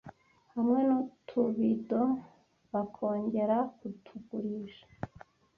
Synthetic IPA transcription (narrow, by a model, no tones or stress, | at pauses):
hamŋe̞nutʰuβido | βakʰo̞ːɲɟe̞ɾakutʰuɡuɾiʒḁ